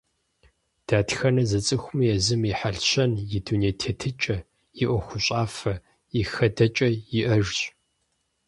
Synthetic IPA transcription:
d̥aːtxɐnɐzɐt͡sʼɨxʷʊmijɛzɨmiħaɬɕɐnjɪduneːtʰeːtʰɨt͡ʃʼɐ | jɪʔʷɔxʷʊɕʼaːfɐ | ɪxɐdɐt͡ʃʼɐjɪʔɐʒɕʼ

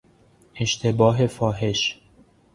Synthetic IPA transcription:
e̞ʃt̪ʰe̞bɒːɦe̞fɒːɦe̞ʃ

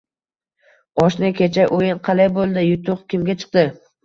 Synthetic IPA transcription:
ɒʃnɪkʲʰe̞t͡ʃʰaʔojɪnqʰɑlajbolˠd̪ɪjʊt̪ʰʊqkʲɪmɡʲat͡ʃʰɨ̥q̚d̪ɪ

